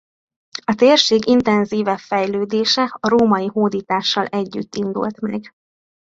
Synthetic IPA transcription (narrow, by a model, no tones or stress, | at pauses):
ɒt̪eːrʃeːɡint̪ɛnziːvɛpfɛjløːd̪eːʃɛɒɾoːmɒjiɦoːd̪iːt̪aːʃːɒlʔɛɟːy̰t̪ːind̪ṵlt̪mɛɡ